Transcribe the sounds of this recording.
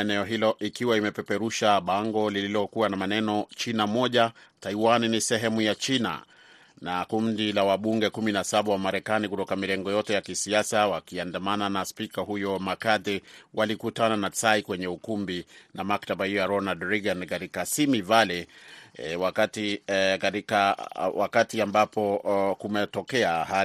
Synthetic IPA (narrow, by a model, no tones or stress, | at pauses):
ɛnɛɔɦilɔʔikiwaimɛpɛpɛɾuʃaɓaŋɡɔlililɔkuwanamanɛnɔt͡ʃinamɔʄataiwaninisɛɦɛmujat͡ʃina̰ | nakundilawaɓuŋɡɛkuminasaɓawamaɾɛkanikutɔkamilɛŋɡɔjɔtɛjakisiasawakiandamananaspikaɦujɔmakatɛwʔalikutananasaikwɛɲɛukumbinamaktaɓahijɔjaɾɔnadɾiɡankaɾikasimivalɛ | wakatikaɾikawʔa̰katiambapʰɔkumɛtɔkɛaha